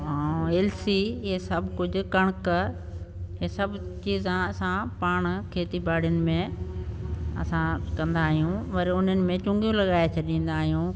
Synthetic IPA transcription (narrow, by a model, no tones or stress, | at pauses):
ɦaeːlsiɪɦesɐbʱkʊd͡ʑʱʊ̆kɐɽ̃k | ɪɦesɐbʱt͡ɕiːzãɐsãpaːɽ̃kʰeːt̪ibaːɽijʊnɪ̆mẽ | ɐ̰sãkɐ̃nd̪aːɦijũmɐɾʊn̤ənɪ̆mẽt͡ɕʊ̃ŋɡijũlɐɠaːet͡ɕʰɐɗĩːn̆d̪aːɦijũː